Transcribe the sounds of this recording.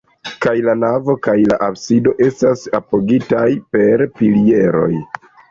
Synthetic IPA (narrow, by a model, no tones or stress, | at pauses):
kajlanavo̞kajlaʔabsido̞ʔe̞stasapoɡitajpe̞ɾpilie̞ɾo̞̰j